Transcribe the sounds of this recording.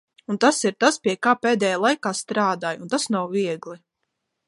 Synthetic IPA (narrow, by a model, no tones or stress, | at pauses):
unt̪asiɾt̪aspʲiɛkaːpeːd̪ɛːjaːlˠajkaːst̪ɾaːd̪aːjunt̪asnawviɛɡlˠi